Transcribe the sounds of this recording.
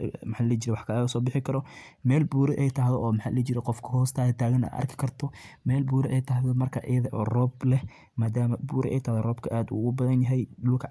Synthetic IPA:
mħaːlɪlɛːt͡ʃɪɾɛwɑħkʰɐːʊsɔːbɪħɪkʰɐɾɔ | mɛːlbuːɾɛʔɛjt̪ʰɐɦðɔʔɔːmħaːllɛt͡ʃɪɾɛqɔfkʰɐhɔːst̪ʰaːðɐt̪ʰaːɣɐna̰ːɐ̰rkʰɪ̥kʰɐrt̪ʰɔmɛːlbuːɾɛʔɛjt̪ʰɐɦðɔmɐrkʰɐʔɪjɐðɐʔɔːrɔːblɛh | maːd̪aːmɐbuːɾɛ̰ʔɛ̰jt̪ʰɐːhðɔrɔːbkʰɐʔaːd̪ʊ̰ɣʊbɐðɐnjɐɦɛjɗʊlkʰɐ

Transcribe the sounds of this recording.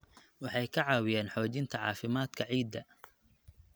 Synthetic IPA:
wɑħɑjkʰɐʕɑːwɪjɛːnħɔːt͡ʃɪnt̪ʰɐʕɑ̰ːfɪmaːd̪kʰɐʕiːd̪ːɐ

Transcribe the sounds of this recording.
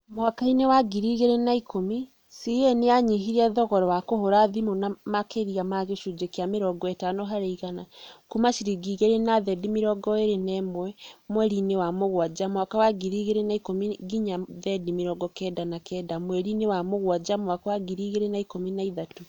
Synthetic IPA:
mwakainewaɡiɾiɣeɾenaikʰomi | sieneaɲiɦiɾɛðɔɣɔɾɔwakohoɾaðimonamakeɾiamaɣeʃud͡ʒekeameɾɔɡɔɛtanoɦaɾeiɣanakumaʃiɾiɡiɣeɾenaðɛdimeɾɔɡɔeɾenɛmwɛmwɛɾinewamoɣwad͡ʒamwakawaɡiɾiɣeɾenaikomiɡiɲaðɛdimeɾɔɡɔkɛːdanakɛːdamwɛɾinewamoɣwad͡ʑamwakawaɡiɾiːɣeɾenaikominaiðatu

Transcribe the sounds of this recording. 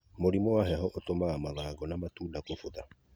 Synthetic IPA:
moɾimɔaɦɛɦɔʔotomaːmaðaːɡɔnamatuːdakofoða

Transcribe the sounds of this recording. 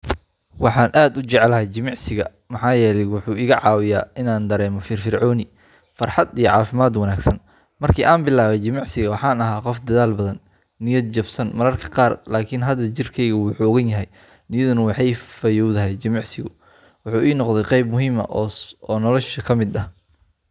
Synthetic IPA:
wɑħɑːnʔaːd̪ʊt͡ʃɛʕɛlɐɦɛjt͡ʃɪmɑʕsɪɣɐ | mɐħɑːjɛːlɛjwʊħuːɪɣɐʕɑːwɪjaːʔɪnaːnd̪ɐɾɛːmɔfɪːrfɪrʕɔːnɪ | fɑrħɑd̪ijɔʕɑːfɪmaːd̪wɐnaːɡsɐn | mɐrkʰiːʔaːnbɪlaːβɛjt͡ʃɪmɑʕsɪɣɐwɑħɑːnɐɦaːqɔfd̪ɐðaːlbɐðɐnː | ɪjɐd̪̚t͡ʃɐbsɐnmɐɾɐrkʰɐ̥qɑːrlaːkʰɪnɦɐd̪ɐt͡ʃɪrkʰɛjɣɐwʊħuːɔɣɐnjɐɦɛj | nɪjɐðʊnɐwɑħɑjfɐjɔwðɐɦɛjt͡ʃɪmɑʕsɪɣʊ | wʊħuːʔiːnɔqd̪ðɛjqɑjb̚mʊɦiːmɐ̰ʔɔːnɔlɔʃɐkʰɐmɪd̪ɐh

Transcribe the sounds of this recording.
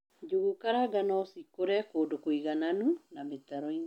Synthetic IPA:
d͡ʒoɣukaɾaɡanɔsikoɾɛkoːdokoiɣananunametaɾɔin

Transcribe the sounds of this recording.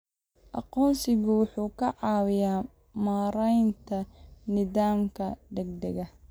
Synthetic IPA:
ʔɑ̰qɔːnsɪɣʊwʊħuːkʰɐʕɑːwɪjaː | maːɾɛjnt̪ʰɐnɪðaːmkʰɐd̪ɛɡ̚d̪ɛɣɐ

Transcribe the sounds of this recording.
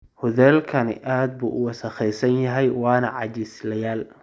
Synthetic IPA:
hʊðɛːlkʰɐnɪ̰ʔaːd̪̚bṵːʔʊwɑsɐχɛjsɐnjɐɦɛjwɑːnɐʕɑ̰t͡ʃɪslɐjaːl

